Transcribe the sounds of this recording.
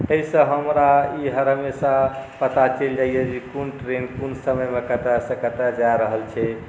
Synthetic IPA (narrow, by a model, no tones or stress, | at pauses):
əisə̃ɦəmɾaiɦəɾɦəmesapət̪at͡ʃeld͡ʒaijɛd͡ʒekunʈɾenkunsəməjmekət̪asəkət̪ad͡ʒaɾəɦəlt͡ʃʰɛ